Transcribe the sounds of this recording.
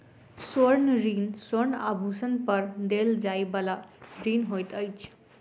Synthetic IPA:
soɾnɾiːnsoɾna̰bʱusənpəɾd̪eld͡zajbəlaɾinɦojt̪əjt͡sʰ

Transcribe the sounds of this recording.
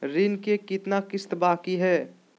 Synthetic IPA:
ɾinkekɪt̪nakɪst̪baːkiɦɛː

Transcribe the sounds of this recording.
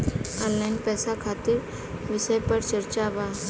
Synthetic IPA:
əlajnpɛsakʰat̪iɾ | ʋisəjpəɽt͡ʃəɾt͡ɕaʋa

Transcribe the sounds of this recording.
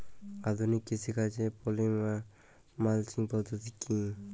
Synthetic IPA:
ad̪unikːesikad͡ʒepɔlima | malt͡ʃiŋpɔd̪ɔt̪ikʰːi

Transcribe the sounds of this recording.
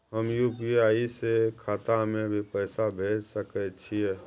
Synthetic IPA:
ɦəmjuːpiaːisekʰaːt̪amẽbʱipəːsabʱeːd͡ʒsəkət͡ʃʰiɛ

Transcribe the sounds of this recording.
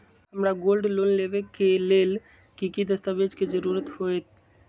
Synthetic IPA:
ɦəmɾaɡoːlɖloːnleːʋekeleːl | kikid̪əst̪aʋed͡ʒked͡ʒəɾuːɾət̪hoːet̪

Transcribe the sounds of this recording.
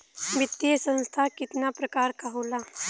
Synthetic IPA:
ʋɪt̪ːjesə̃nst̪ʰakɪt̪napɾɐkaːɾkaɦoːlaː

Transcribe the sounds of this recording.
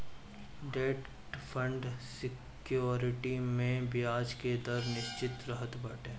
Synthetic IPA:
ɖeːʈ | ʈpʰə̃ɳɖsɪk | joːɾɪʈimẽbʱiaːd͡ʒked̪ɐɾnɪʃt͡ʃɪt̪ɾəɦət̪bɐʈẽː

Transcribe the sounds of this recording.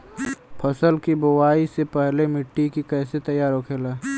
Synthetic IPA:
pʰɐsəlkibʊwaːisepɛɦlemɪʈːikikɛːset̪ɐjːaːɾɦokʰeːlaː

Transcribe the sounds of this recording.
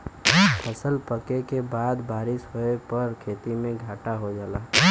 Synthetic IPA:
pʰəsəlpəkekebaːd̪baːɾɪʃɦoepəɾkʰeːt̪imẽɡʱaːʈaɦod͡ʒaːlaː

